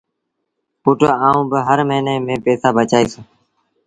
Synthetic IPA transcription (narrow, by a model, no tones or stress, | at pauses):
puːʈoːaːũːbəɦəɾməɦineːmẽːpeːsaːbət͡ʃaːiːsoː